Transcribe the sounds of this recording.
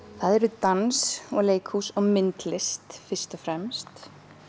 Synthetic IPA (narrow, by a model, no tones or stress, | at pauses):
θaðɛɾʏt̪ansɔɣleːjkʰhuːsɔɣmɪnt̪lɪst̪fɪɾ̥st̪ɔfɾɛmst̪